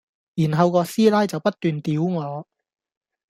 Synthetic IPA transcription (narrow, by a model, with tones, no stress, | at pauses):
jiː˨˩nɦɐ˨˧wkɔː˨˧siː˥laː˥jt͡sɐ˨wpɐ˥t̚t̪yː˨˧nt̪iː˨˥wŋɔː˨˧